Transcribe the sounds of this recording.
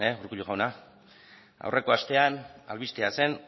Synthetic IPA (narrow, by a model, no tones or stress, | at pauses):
euɾkuʎuɣawna | a̰wrʔe̞ko̞ast̪e̞ana̰lβist̪ease̞n